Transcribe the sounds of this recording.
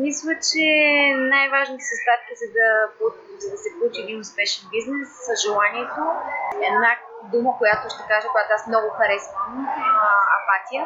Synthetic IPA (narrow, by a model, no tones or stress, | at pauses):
mislʲˠət͡ʃɛnajvaʒnət̪ə̥səst̪at̪kəsɛd̪ɐpo | zɐd̪ɐsɛklˠut͡ʃiɛd̪inʊspɛʃɛnbiznɛsːəʒɛlˠaniɛt̪oɛd̪nad̪uməkojat̪ʊʃt̪ɛkaʒəkojat̪oasmnɔɡʊxɐɾɛsvə | ɐ̰pat̪ijə